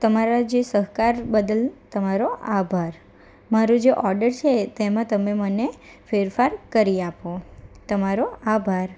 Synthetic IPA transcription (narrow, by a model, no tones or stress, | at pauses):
t̪əmaɾad͡ʒesəɦkaɾbəd̪əlt̪əmaɾoabʱaɾ | maɾud͡ʒeʔɔɾɖəɾt͡ʃʰet̪emãt̪əmemənefeɾfaɾkəɾiapot̪əmaɾoabʱaɾ